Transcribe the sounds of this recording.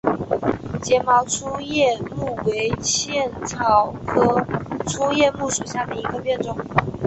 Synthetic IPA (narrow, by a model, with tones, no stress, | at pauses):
t͡ɕjɛ˨˥nmɑ˧˥ʊʈ͡ʂʰu˥jɛ˥˧mu˥˩we˧˥ɪɕʰjɛ˥˩nt͡sʰɑ˨˥ʊkʰɤ˥ʈ͡ʂʰu˥jɛ˥˧mu˥˩ʂu˨˩ɕja˥˩d̪ə˩i˧˥ɡə˨pjɛ˥˧nʈ͡ʂʊ˥˩ŋ